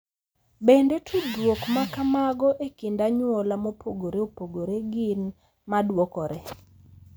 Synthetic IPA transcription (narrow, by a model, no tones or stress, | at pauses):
bendetʰudwokmakamaɡɔʔekindaɲwɔlamopʰoɡoɾeopoɡoɾeɡɪn | madwokɔɾɛ